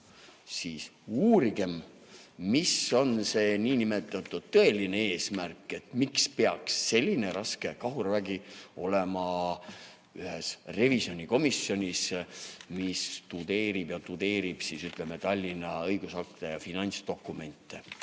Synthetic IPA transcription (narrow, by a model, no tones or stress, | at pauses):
siːsuːɾiɡ̥e̞m | miso̞nse̞ːniːnime̞t̪ːˑɑt̪ːˑud̪t̪ːɤe̞line̞e̞ːsmærkːˑe̞t̪mikspeɑksːe̞lʲːineɾɑske̞kɑɦurvæɡio̞lemɑ | yhe̞sre̞visjo̞nʲiko̞misːjo̞nʲis | mist̪ud̪e̞ːɾib̥jɑt̪ud̪̥e̞ːɾib̥sisyt̪ˑle̞me̞t̪ɑlʲːinɑɤjɡusɑk̚t̪ejɑfinɑnʲt̪st̪o̞kːˑume̞nʲt̪ˑːe